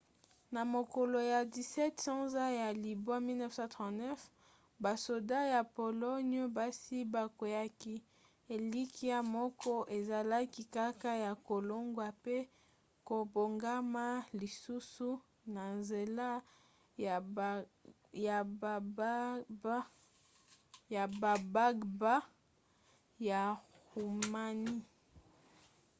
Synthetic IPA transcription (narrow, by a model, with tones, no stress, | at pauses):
na˨mo˨kɔ˨lo˨ja˨di˨sɛ˦tsã˦za˦ja˨li˨bo˦a˦mi˦lnɛ˦fsɑ̃˦tʁɑ̃˨tnɛ˦f | ba˨so˨da˦ja˨po˨lɔ˦no˦ba˦si˦ba˨ko˨ja˦ki˦ | e˨li˦ki˦a˦mɔ˦kɔ˦ʔe˨za˨la˦ki˦ka˦ka˦ja˨ko˨lo˦ŋɡwa˨pe˦ | ko˨bo˨ŋɡa˦ma˦li˨su˦su˦ | na˨nze˨la˦ | ja˨˦ | ja˨ba˨ba˦ɡba˦ | ja˨ | ʁu˨ma˨ni˦